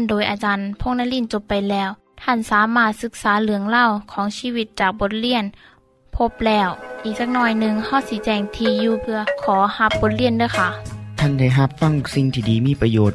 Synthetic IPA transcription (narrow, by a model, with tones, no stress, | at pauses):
ndoː˨˩jʔaː˨˧˩t͡ɕaː˧npʰo˧˥˨ŋ̚na˧˥˨jli˧˥˩nt͡ɕo˧˦pːa˨jlɛː˧˩w | t̪ʰa˧˥˩nsaː˨˦maː˧˩t̪̚sɯ˧˦k̚saː˨˩˦lɯ˩˦əŋla˧˥˨wkʰɔː˨˦ŋsiː˧˨wi˧˦t̪̚t͡ɕaː˨˩k̚bo˧˦t̪̚li˧˥˩ən | pʰo˧˥p̚lɛː˧˩wʔiː˨˩k̚sa˧k̚nɔː˧˥˩jnɯ˧ŋha˧˥˩wsiː˧˦t͡ɕɛː˧˩ŋt̪ʰiː˧juː˧pʰɯ˧ɐkʰɔː˨˩˦ha˧p̚bo˧˦t̪̚li˧˩əndɯː˧˩˨jkʰa˧˩t̪ʰa˧˥˩nda˧˩jɦa˧˦p̚fa˧˥˨ŋsi˧˩ŋt̪ʰiː˧˩diː˨˦miː˧˥˨pa˧joː˨˩t̪̚